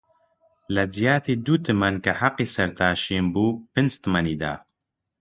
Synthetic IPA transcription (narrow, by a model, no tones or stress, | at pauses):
lɐd͡zijaːt̪ʰiːd̪ut̪ʰɨmɐnkɐħaqːiːsɐɾt̪ʰaːʃiːnbuːpɨnst̪mɐniːd̪a̰ː